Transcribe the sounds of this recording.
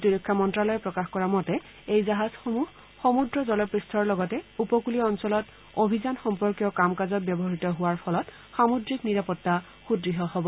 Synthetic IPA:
tiɹikʰːamɔntɹalɔjɛpɹɔkaxkɔɹamɔtɛ | ejzaɦaz̥xomuh | xomudɹɔzɔlɔpɹistʰɔɹlɔɡɔtɛupɔkuliɔnsɔlɔt | obʱizanxɔmpɔɹkjɔkamkazɔt̚bjɔbɔɦaɹitɔɦʊwaɹpʰɔlɔt | xamudɹikniɹapɔtːa | xudɹiɦɔɦɔbɔ

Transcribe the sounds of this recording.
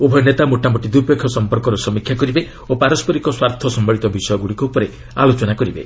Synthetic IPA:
ubʱɔjnet̪amuʈamɔʈid̪uɾpekʰːɔsɔmpɔɾkɔɾɔsɔmikʰːjakɔɾibe | opaɾɔspɔɾikɔswaɾt̪ʰɔsɔmbaɭit̪ɔbisɔjɔɡuɽikuupɔɾe | a̰lot͡ʃɔnakɔɾibḛ

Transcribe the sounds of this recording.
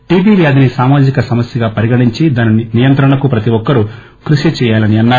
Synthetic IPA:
ʈiːbiːʋjɐd̪inisaːmaːd͡ʒikɐsɐmɐsjɐɡaːpɐɾiɡɐɽiɲt͡ʃid̪aːnininijɐnt̪ɾɐɳɐkupɾɐt̪iʋɔkːɐɾu | kɾuʃit͡ʃɛːjaːlɐniɐnːaː

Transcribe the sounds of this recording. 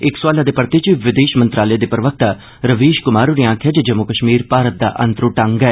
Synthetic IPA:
ɪkswaːlaːd̪eːpəɾt̪it͡ʃʋɪd̪eːʃmənt̪ɾaːləjed̪eːpɾəʋək̚t̪aː | ɾəʋiːʃkʊmaːɾuɾiãːkʰjaːd͡ʒed͡ʒəmːʊkəʃmiːɾpaːɾət̪̚d̪a̰ːʔə̃nt̪ɾũːʈə̃ŋɡɛː

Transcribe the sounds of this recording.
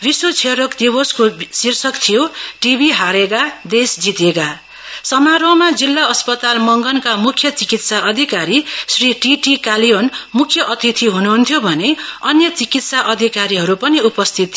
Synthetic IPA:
biswot͡sʰeɾokd̪iboskosirsʌkt̪ʰijoʈibʱiɦaɾeɡad̪esd͡zit̪eɡa | sʌmaɾomad͡zilːaʌspʌt̪almʌŋɡʌnkamukʰjʌt͡sikit̪saʔʌd̪ʱikaɾisriʈiʈikalijonmukʰːjʌʔʌt̪it̪ʰiɦunuɦunt̪ʰjobʱʌneʌnjʌt͡sikit̪saʔʌd̪ʱikaɾiɦʌɾupʌniupʌst̪ʰit̪ː

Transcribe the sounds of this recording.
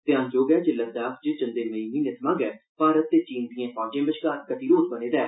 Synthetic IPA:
t̪ɪãːnd͡ʒoːɡɛːd͡ʒɪlːaːd͡ʒ̪aːkd͡ʒet͡ʃə̃nd̪eːɾʋəiːnĩːnet̪ʰmãːɡɛːpaːɾət̪ːeːt͡ʃiːnd̪ijãːpʰaːd͡ʒẽːbɪʃkaːɾkəʈiːɾoːt̪bəneːd̪ɛː

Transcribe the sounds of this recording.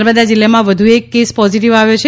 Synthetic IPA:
ɾbəd̪ad͡ʒɪlːamãʋəd̪ʱuekːespɔziʈ̬iʋaʋjot͡ʃʰe

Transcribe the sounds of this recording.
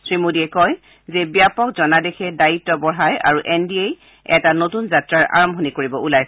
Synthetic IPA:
sɹimodiɛkɔj | zɛbijapɔkzɔnadɛxʰɛdaitːɔbɔɹɦaja̰ɹuʔɛndiej | ɛ̰tanotunzatɹaɹʔa̰ɹɔmbʱɔnikoɹibɔʔulaj

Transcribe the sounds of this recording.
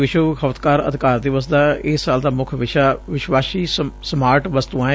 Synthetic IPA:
ʋɪʃokʰəʋət̪kaːɾə̰d̪ʱɪkaːɾd̪eːʋəsd̪aːɪsːaːld̪aːmʊkʰʋɪʃaːʋɪʃwaːsiːsmaːɾʈʋəst̪ũːãː

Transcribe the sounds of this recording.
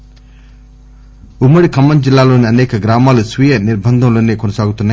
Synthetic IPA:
umɐɽikɐmːɐnd͡ʒilːaːlonɐneːkɐɡɾaːmaːlusʋijɐniɾbʱɐnd̪ʱɐ̃mlonːekɔnɐsaːɡut̪unːɐ

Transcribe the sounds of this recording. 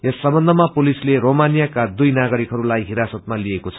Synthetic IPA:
esːʌmbʌnd̪ʱʌmapolisleromanijakad̪ujnaɡʌɾikɦʌɾulajɦiɾasʌt̪̚maliekot͡sʰʌ̥

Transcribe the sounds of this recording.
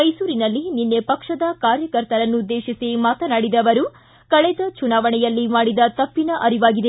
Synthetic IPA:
ɐjsuːɾinɐlːininːepɐkʂɐd̪ɐkaːɾjɐkɐɾt̪ɐɾɐnːud̪ːe̞ːʃisimaːt̪ɐnaːɽid̪ɐʋɐɾu | kɐɭɛd̪ɐt͡ʃunaːʋɐɳɛjɐlːimaːɽid̪ɐt̪ɐpːinɐʔɐɾiʋaːɡid̪e

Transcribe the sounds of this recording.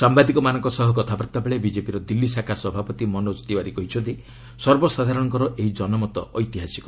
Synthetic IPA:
sambad̪ikɔmanɔŋkɔsɔɦɔk̬ɔt̪ʰapɾɔt̪ːabeɭebid͡ʒepiɾɔd̪ilːisakasɔbʱapɔt̪imɔnɔd͡ʒɔ̥t̪ibaɾikɔɦit͡ʃʰɔt̪i | sɔɾbɔsad̪ʱaɾɔɽɔŋkɔɾɔʔeɦid͡ʒɔnɔmɔt̪ɔɔjt̪iɦasikɔ

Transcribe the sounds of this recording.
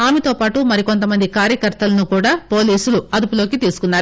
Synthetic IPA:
aːmɛt̪o̞ːpaːʈumɐɾiko̞nt̪̬ɐmɐnd̪ikaːɾjɐkɐɾt̪ɐlɐnukuːɽaːpo̞ːliːsuluɐd̪upulo̞ːkit̪iːsu̥kunːaːɾu

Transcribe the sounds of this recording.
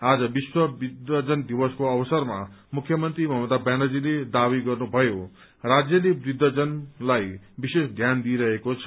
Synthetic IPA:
ad͡zʌbiswʌbid̪ʌd͡zʌnd̪ibʌskoʌbʌsʌrma | mukʰjʌmʌnt̪ɾibʌɦmʌd̪abanʌd͡ziled̪abiɡʌrnubʱʌjo | rad͡zjʌlebɾid̪ʱːʌd͡zʌnlajbisesd̪ʱjand̪iɾʌɦekot͡sʰʌ̥

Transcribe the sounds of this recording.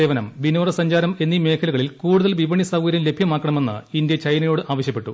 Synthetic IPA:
eːʋɐnɐmʋinoːrɐsɐɲd͡ʑaːɾɐme̞nːime̞ːkʰɐluɣɐɭilkuːɽuðɐlʋiʋɐɳisɐʋɡɐɾjɐmle̞bʱjɐmaːkːɐɳɐme̞nːɨ̰ind̪jɐt͡ɕɐjnɐjo̞ːɽɨʔaːʋɐɕjɐpːe̞ʈːu

